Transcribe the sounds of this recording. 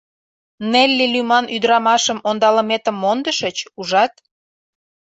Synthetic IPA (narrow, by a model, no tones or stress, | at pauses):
nelʲːilymɑnʔyd̪ɾɑmɑʃəmond̪ɑlə̆met̪əmːond̪əʃə̆t͡ɕuʒɑt̪̚